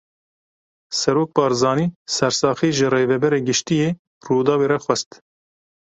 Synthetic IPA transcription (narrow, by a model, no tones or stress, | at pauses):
sɛɾoːk̚bɑːɾzɑːniːsɛɾsɑːxiːʒɨreːvɛbɛɾeːɡɨʃt̪ijeː | ruːd̪ɑːweːɾɛxwɛst̪